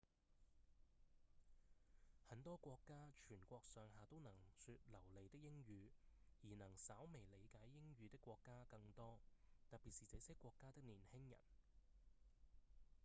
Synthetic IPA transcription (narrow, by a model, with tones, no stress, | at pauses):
hɐ˨˧˥nt̪ɔː˥kʷɔː˧kːaː˥t͡ʃʰyː˨˩nkʷɔː˧k̚sœː˨˧ŋɦaː˨t̪o˥wnɐ˨˩ŋsyː˧t̚lɐ˨˩wle˨jt̪ɪ˥k̚jɪ˥ŋjyː˨˧jiː˨˩nɐ˨˩ŋsa˨˥wme˨˩jle˨˧jkaː˨˥jːɪ˥ŋjyː˨˧t̪ɪ˥kːʷɔː˧kːaː˥kɐ˧ŋt̪ɔː˥t̪ɐ˨t̚piː˨t̚siː˨t͡se˨˥sɪ˥kːʷɔː˧kːaː˥t̪ɪ˥k̚niː˨˩nhɪ˥ŋjɐ̰˨˩n